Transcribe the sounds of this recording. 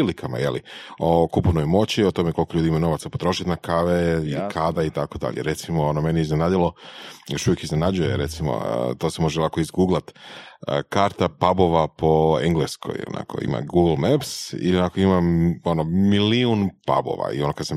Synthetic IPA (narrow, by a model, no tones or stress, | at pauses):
ilikama̰jḛlḭokupunojmo̞t͡ɕiot̪o̞mekolkolʎuːd̪iimano̞ʋat̪sapot̪ɾo̞ʃit̪nakaʋeilikʰad̪ait̪ako̞d̪a̰ʎḛɾe̞t̪simoonomenieizne̞nad̪ilo̞joʃuʋjekizne̞nad͡ʑujeɾet̪simo̰t̪osemo̞ʒeolakoizɡuːɡlˠat̪əkaɾt̪apabo̞ʋapo̞eŋɡleskʰo̰jo̰nʔa̰ko̰ḭma̰ɡuɡl̩ˠmepsḭlionakoimao̞nomiliunpa̰bo̰ʋa̰ḭo̞nokad̪sam